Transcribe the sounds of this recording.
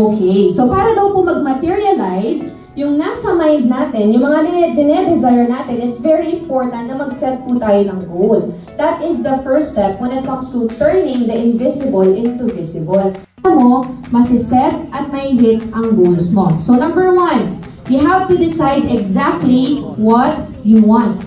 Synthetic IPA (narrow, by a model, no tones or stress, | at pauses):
ʔokʰejsopaːɾɐd̪ɐwpʊmɐɡ̚mɐt̪iɹiɐlajs | jʊŋnasɐmãj̃nd̪̚naːt̪ɪnjʊŋmɐŋad̪ɪɛd̪ɪnɛd̪ɪzajɛɹnaːt̪ɪnɪt̪svɛɹiɪ̃mpoɹt̪ɐ̃nt̪nɐmɐɡ̚sɛt̪̚put̪aːjonɐŋɡol | d̪̥ɐt̪ʔɪsd̪ɐfɛɹst̪ɛp̚wɛ̃nɪt̪̚kɐ̃mst̪ut̪ɛɹnɪ̃ŋd̪ɐʔɪ̃nvɪsɪbɐlʔɪ̃nt̪uvɪsɪbɐl | momɐsɪsɛt̪̚ʔɐt̪̚mɐjɦɪt̪̚ʔɐŋɡoːlsmosonɐ̃mbəɹwɐ̃n | jʊɦavt̪ud̪ɪsajd̪ɛɡzak̚t̪liwɔt̪̚ | juwɑ̃nt̪̚